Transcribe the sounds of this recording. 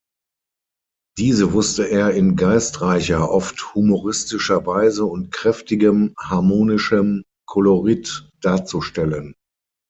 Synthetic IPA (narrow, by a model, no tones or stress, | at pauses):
d̥iːzəvʊstəʔeːɐɪnɡaɪstʁaɪçɐʔɔfthumoʁɪstɪʃɐvaɪzəʊntkʁ̥ɛftɪɡəmhaɐmoːnɪʃəm | kʰɔloʁɪtd̥aːɐt͡suʃtɛlən